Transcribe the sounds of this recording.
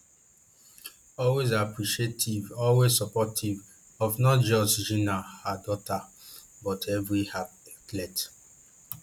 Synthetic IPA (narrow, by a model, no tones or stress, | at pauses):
ɔlwezapɹiʃietʰivɔlwezsɔpɔtʰiv | ɔfnɔt̚d͡ʒɔstd͡ʒĩnahadɔtʰa | bɔtʰɛvɹihaklɛt